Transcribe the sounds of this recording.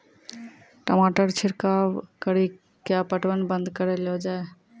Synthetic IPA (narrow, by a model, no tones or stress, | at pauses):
ʈəmaʈəɾt͡ʃʰɪɾkawkəɾi | kjapəʈwənbə̃nd̪kəɾelɔd͡ʒae